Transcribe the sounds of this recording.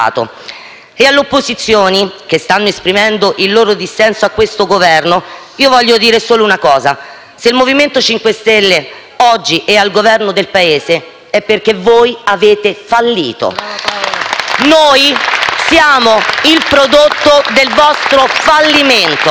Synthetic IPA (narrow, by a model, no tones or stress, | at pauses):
t̪o̰ | ealːeopːozit̪sːjoːnik̟est̪anːoespɾimɛnd̪oʔilːoːɾod̪isːɛnsoakːwest̪oɡovɛrno | iːovɔʎːod̪iːɾesoːlounakɔːza | seilmoviment̪ot͡ʃiŋkwest̪elːe | ɔd͡ʒːiʔɛalɡovɛrnod̪elpaeːze | ɛpːerk̟evoːjaveːt̪efalːḭːt̪o̰ | noːjsjaːmoilpɾod̪ot̪ːod̪elvɔst̪ɾofalːiment̪